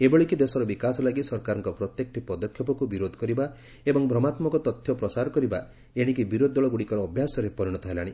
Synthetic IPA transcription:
ebɔɭikid̪esɔɾɔbikasɔlaɡisɔɾkaɾɔŋkɔpɾɔt̪jek̚ʈʰipɔd̪ɔkʰjɔpɔkubiɾod̪ʱɔkɔɾiba | ebɔŋbʱɾɔmat̪mɔkɔt̪ɔt̪ʰjɔpɾɔsaɾɔkɔɾiba | eɽ̃ik̬ibiɾod̪ɔɭɔɡuɽikɔɾɔːbʱjasɔɾepɔɾiɽ̃ɔt̪ʰɔɦelaɽ̃i

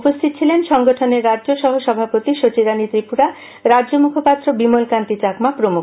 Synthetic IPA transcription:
upost̪ʰit̪ot͡ɕʰilenʃɔŋɡɔʈʰɔneɾːad͡ʒoʃɔɦoʃɔbʱapot̪iʃot͡ʃiɾanit̪ɾipuɾa | ɾadd͡ʒomukʰopat̪ɾobimolkant̪it͡ʃakmapɾomu

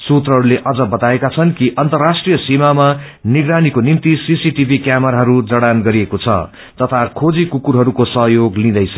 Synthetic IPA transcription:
sut̪rʌɦʌɾuleʔʌd͡zʌbʌt̪aekat͡sʰʌnkiʔʌnt̪ʌrːasʈrijʌsimama | niɡɾanikonimt̪isisiʈibʱikjamʌɾaɦʌɾud͡zʌɽanɡʌɾiekot͡sʰʌ̰ | t̪ʌt̪ʰakʰod͡zikukuɾɦʌɾukosʌɦjoɡlĩd̪ʌjt͡sʰʌ

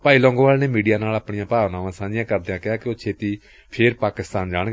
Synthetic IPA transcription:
paːiːlɔ̃ːŋɡõːʋaːlneːmiːɖijaːnaːlaːpɳɪjãːpaːʋnaːʋãːsãːd͡ʒɪjãːkəɾd̪ejãːkɪaːkɪoːt͡ʃʰeːt̪iː | pʰɪɾpaːkɪst̪aːnd͡ʒaːɳ

